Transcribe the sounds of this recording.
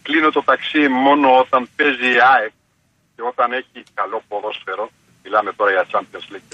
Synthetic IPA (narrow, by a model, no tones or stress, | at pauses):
klinot̪o̞t̪ɐksimo̞no̞ot̪ɐnpe̞ziɐep | ceo̞t̪ɐne̞çikɐlo̞poðo̞sfe̞ɾo̞ | milɐme̞t̪o̞ɾɐʝɐt͡sɐnp̪eslic